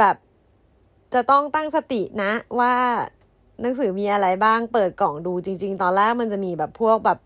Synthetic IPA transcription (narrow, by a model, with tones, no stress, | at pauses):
bɛː˨˩p̚ | t͡ɕa˨˩t̪ɔ˥˩ŋt̪a˥˩ŋsa˧t̪i˨˩ʔna˦˥waː˥˩ | na˩˦ŋsɯː˩˦miː˧ʔa˧ɾa˧jbaː˥˩ŋpɤː˨˩t̪̚kɔː˨˩ŋduː˧t͡ɕi˧ŋt͡ɕi˧ŋt̪ɔː˧nlɛː˥˩k̚ma˧nt͡ɕa˨˩ʔmiː˧bɛː˨˩pʰːu˥˩ək̚bɛː˨˩p̚